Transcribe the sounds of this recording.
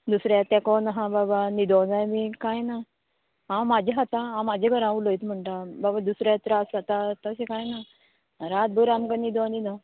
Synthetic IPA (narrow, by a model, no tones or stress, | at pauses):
d̪usɾjat̪ɛ̃kɔnɦãbabanid̪ɔ̃d͡zajmiːkajna | ɦãmad͡ʑʱeɦat̪ãɦãmad͡ʑʱeɡʱəɾãuləjt̪m̤əɳʈababad̪usɾat̪ɾasat̪at̪əɕekajna | ɾat̪̚bəɾamkanid̪ɔ̃nid̪ã